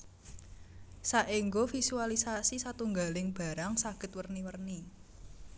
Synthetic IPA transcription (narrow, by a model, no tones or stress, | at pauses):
saʔiŋɡofisualisasisat̪uŋɡalɪŋb̥a̤ɾaŋsaɡ̥ə̤t̪̚wərniwərni